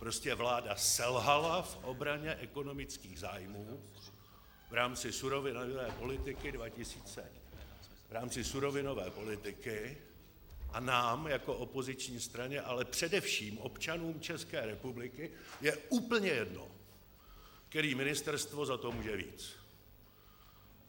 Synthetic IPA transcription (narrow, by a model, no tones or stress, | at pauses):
pɾo̞scɛvlaːdasɛlɦalafʔo̞bɾaɲɛʔɛko̞no̞mɪt͡skiːɣzaːjmuː | vɾaːmt͡sɪsuɾo̞vɪnvɛːpo̞lɪt̪ɪkɪdvacɪsiːt͡sɛ | vɾaːmt͡sɪsuɾo̞vɪno̞vɛ̰ːpo̞lɪt̪ɪkɪ | ʔanaːmjako̞ʔopo̞zɪt͡ʃɲiːst̪ɾaɲɛʔalɛpr̝̥ɛdɛfʃiːmʔo̞pt͡ʃanuːmt͡ʃɛskɛːɾɛpublɪkɪjɛuːpl̩ɲɛjɛdno̰ | kt̪ɛɾiːmɪnɪst̪ɛɾst̪vo̞zat̪o̞muːʒɛvḭːt͡s